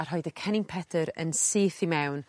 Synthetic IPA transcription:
ar̥ɦɔɨdəkʰɛnɪnpʰɛdʰəɾə̰nsiːθimɛwn

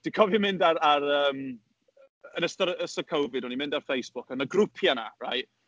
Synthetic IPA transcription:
d̥ɪkʰɔvjɔmɪndaɾaɾəːm | ənəstɔɾəstɔkʰɔwvɪdɔnimɪ̃ndarfejsb̥ʊkənəɡrʊpʰjana̰ra̰jʔ

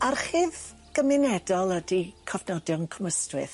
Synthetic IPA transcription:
arχɪːð | ɡ̥əmɨnɛdɔlˠədikʰɔvnɔdjɔnkʰɔməstwɨθ

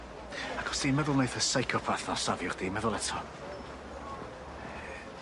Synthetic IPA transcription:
aɡʰɔ̥sdimɛðʊlˠnejθəsajkʰɔpʰaθɔsavjʊrd̥imɛðʊlˠɛtʰɔ

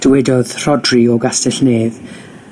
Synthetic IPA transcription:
d̥əwɛdɔð̥r̥ɔdriɔɡastɛɬneːð

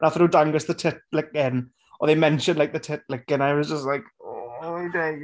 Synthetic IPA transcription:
naθəɾudãŋɡəsðətʰɪt̚lɪkɪn | ɔðeɪmɛ̃nʃə̃ndˡlaɪk̚ðətʰɪt̚lɪkːɪnaɪwɒzd͡ʒəst̚laɪkɔaɪdeɪ

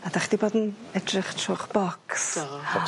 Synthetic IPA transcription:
ad̪aχd̥̪ibɔd̪n̩ɛdrəχʃʊχb̥ɔks

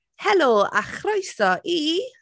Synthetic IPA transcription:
hɛloːa̰χrojsɔʔi

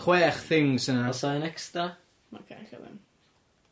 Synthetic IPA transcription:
χwɛːχθɪŋsənasaənɛksta | ma̰kʰaɬɛ̰wɛ̰n

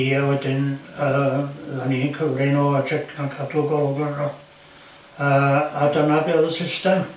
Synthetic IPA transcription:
iawɛdɪnəːðaninkʰəvrɪnoad͡ʒɪkɡ̥ankʰadɔɡɔlˠɡərɔ | əːadənabɪːðəsɪstɛm

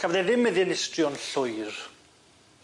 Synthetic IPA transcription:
kʰavðɛðɪmːɪðjɛnɪstrjɔnɬʊjr

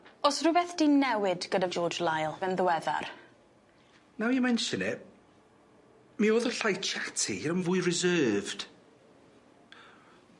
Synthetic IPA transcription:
ɔsrʊbɛθd̥inɛwɪdɡ̥ədavd͡ʒɔːd͡ʒlˠajlˠvɛnðəwɛða̰r | nawimɛnʃənɛ | mioːðɔɬajt͡ʃʰatʰiɾɔmvʊːɨrɪzɜːvd̥

